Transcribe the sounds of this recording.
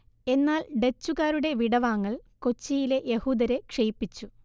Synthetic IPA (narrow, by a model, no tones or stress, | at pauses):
e̞nːaːlɖet͡ɕːuɣaːɾuɽe̞ʋiɽɐʋaːŋːɐɭko̞t͡ɕːijile̞ʔjehuːd̪ɐɾe̞kʂejpːit͡ɕːu